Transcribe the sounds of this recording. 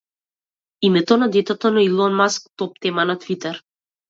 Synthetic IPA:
imɛt̪ɔnad̪ɛt̪ɛt̪ɔnailˠɔnmask̚t̪ɔp̚t̪ɛmanat̪vit̪ɛɾ

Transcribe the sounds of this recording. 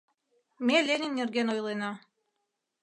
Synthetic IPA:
melʲenʲɘ̆mnerɡenojlˠenɑ

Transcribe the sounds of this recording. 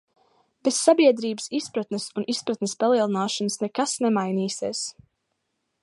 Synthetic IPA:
b̥esːabiɛd̪ɾiːbəsispɾat̪nesunispɾat̪nespalˠiɛlˠinaːʃɔnsnɛkasnɛmajniːsiɛs

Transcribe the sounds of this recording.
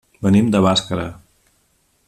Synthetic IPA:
bənimd̪əβaskəɾə̰

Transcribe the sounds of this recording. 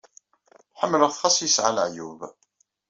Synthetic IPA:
ħəmːələʁθχɑsˤjəsʕalʕjṵv

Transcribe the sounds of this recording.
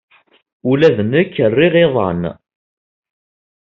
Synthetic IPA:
ulæðənəkːərːiʁeðˤɑ̰n

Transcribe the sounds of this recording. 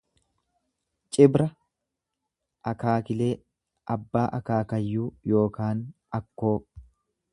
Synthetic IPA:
t͡ʃʼɪbɾɐ | ʔɐkaːkɪle̞ː | ʔɐbːaːʔɐkaːkɐjːuːjo̞ːkaːn | ɐkːo̞ː

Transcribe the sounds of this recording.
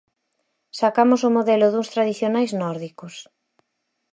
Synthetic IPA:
sakamosʊmoðɛlʊðuŋst̪ɾaðiθjonajznɔɾðikos

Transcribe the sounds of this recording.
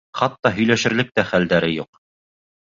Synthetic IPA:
χɑt̪ːɑɦɵ̆jlæʃɘ̆ɾlɘk̚t̪æχæld̪æɾɘjuq

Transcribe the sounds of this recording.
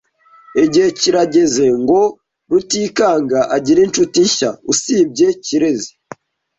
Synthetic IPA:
eɟiheciɾaɟe̞ze̞ŋɡo̞ | ɾutiːkaːŋɡaʔaɟiɾint͡ʃutiɲʃausiːb̚ɟe̞ciɾe̞zi̥

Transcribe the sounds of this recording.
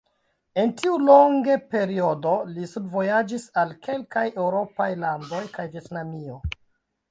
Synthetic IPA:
e̞ntiulo̞ŋɡepe̞ɾio̞do̞lisubvo̞jad͡ʒisalkʰe̞lkaje̞wɾo̞pajlando̞jkajvje̞tnamio̞

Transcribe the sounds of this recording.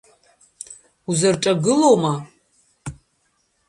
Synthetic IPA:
uzarʈ͡ʂʼaɡɨlowma

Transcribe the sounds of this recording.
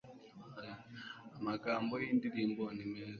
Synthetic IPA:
amakambɔindidimbɔnimɛz

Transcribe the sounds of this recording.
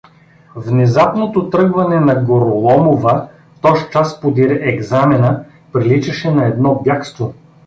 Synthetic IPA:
vnɛzapnot̪ot̪ɾɤɡvɐnɛnɐɡoɾʊlˠɔmovə | t̪ɔʃt͡ʃaspod̪iɾɛʔɛɡzamɛnə | pɾilit͡ʃɐʃɛnɐɛd̪nɔbjakst̪vo

